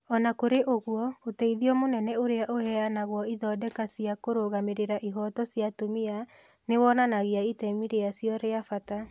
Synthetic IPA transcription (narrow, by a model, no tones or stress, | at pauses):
ɔnakoɾeʔoɣwɔotɛiðiɔmonɛnɛoɾeaʔohɛanaɣwɔiðɔːdɛkasiakoɾoɣameɾeɾaʔiɦɔtɔsjatomia | newɔnanaɣeaitɛmiɾeasjɔɾeafata